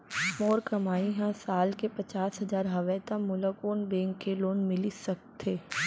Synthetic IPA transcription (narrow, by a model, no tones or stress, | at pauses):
moːɾkɐmaːiɦɛ̃saːlkepɐt͡ʃaːsɦɐzaːɾɦɐʋɛːt̪ãmʊləkoːnbẽːŋkːeloːnmɪlisɐk̚t̪ʰːeː